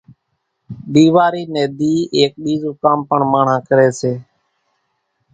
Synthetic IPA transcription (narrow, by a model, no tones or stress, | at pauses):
ɗ̪iːʋaːɾiːneːd̪iːʔeːk̚ɓiːzuːkaːmpəɳmaːɳ̤ãːkəɾeːseː